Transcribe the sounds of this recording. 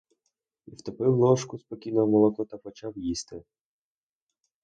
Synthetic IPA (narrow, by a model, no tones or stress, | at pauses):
iwt̪ɔpɪwnɔʃkʊspɔkʲinɔmɔlˠɔkɔt̪ɐpɔt͡ʃɑwjist̪ɪ